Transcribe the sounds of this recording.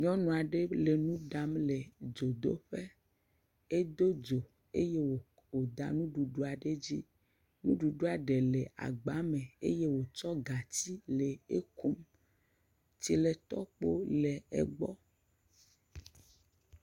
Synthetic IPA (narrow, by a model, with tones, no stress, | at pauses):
ɲɔ̃˦nɔ̃˨a˨ɖe˦le˨nũ˦ɖa˦mle˨d͡ʒo˨d̪o˦ɸe˦ | e˦d̪o˦d͡ʒo˨ | ḛ˦je˦wo˨ | wo˨d̪a̰˨nũ˦ɖu˨ɖu˦a˨ɖe˦d͡ʑḭ˦ | nũ˦ɖu˨ɖu˦a˨ɖe˨le˨ʔa̰˨ɡ͡ba˨˦mẽ˨ḛ˦je˦wo˨t͡ʃɔ˦ɡa˨ti˦le˨e˦ku˦m | ti˦le˨t̪ɔ˦k͡po˦le˨ḛ˨ɡ͡bɔ˦